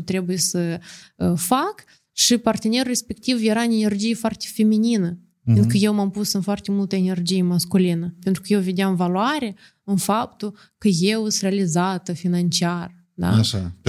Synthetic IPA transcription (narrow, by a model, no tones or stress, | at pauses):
t̪ɾe̞bujesəəfak | ʃipart̪ene̞rre̞spe̞kt̪ivjeɾanene̞rd͡ʒijefoart̪e̥fe̞mininə | enkəje̞wmampusɨnfoart̪e̞mult̪əene̞rd͡ʒijemaskulinəpent̪ɾukəjewved̪eamvaluaɾe | ɨnfap̚t̪u | kəjewɨst̪realizat̪əfinant͡ʃiar | d̪a̰ʃa